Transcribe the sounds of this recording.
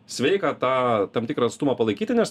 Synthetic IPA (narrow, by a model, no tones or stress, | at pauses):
sʲʋʲɛɪkɐt̪ɑːt̪ɐmt̪ʲɪkɾɐɐt̪st̪ʊmɐpɐlˠɐɪkʲiːt̪ʲɪnʲɛs